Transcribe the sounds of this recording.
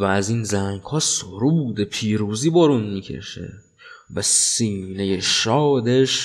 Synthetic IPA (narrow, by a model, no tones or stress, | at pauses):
vææziːnzæŋhɒːsoɾubud̪epʰiːɾuːziːboɾunmiːcʰe̞̰ʃḛ | væsiːne̞jeʃɒːd̪eʃ